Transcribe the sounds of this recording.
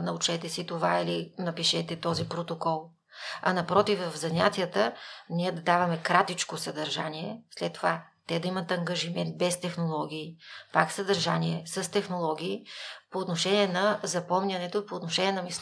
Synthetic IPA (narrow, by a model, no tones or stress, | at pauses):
nɐut͡ʃɛt̪ɛsit̪ovailinɐpiʃɛt̪ɛt̪ɔzipɾot̪okɔlˠ | ɐ̰nɐpɾɔt̪ifvɐvzɐnʲa̰t̪ʲijət̪ənʲiɛd̪ɐd̪avɐmɛkɾat̪it͡ʃkosəd̪ɐɾʒa̰niɛslɛt̪ːova | t̪ɛd̪ɐimət̪ɐŋɡəʒimɛnt̪̚bɛst̪ɛxnolˠɔɡ̟ʲiːpaksəd̪ɐɾʒaniɛsəst̪ɛxnolˠɔɡʲiːpoːt̪noʃɛnʲiɛnɐzɐpɔmnʲɐnɛt̪opoːt̪noʃɛnʲiɛnɐmis